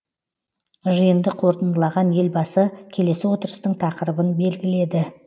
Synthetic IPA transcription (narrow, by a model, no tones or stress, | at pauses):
ʒəjənd̪əqʰo̞ɾt̪ənd̪əlˠɑʁɑnje̞lbɑsəkʲʰe̞le̞sɪwo̞t̪əɾəst̪əɴt̪ʰɑqəɾəbənbe̞lɡʲɪle̞d̪ɪ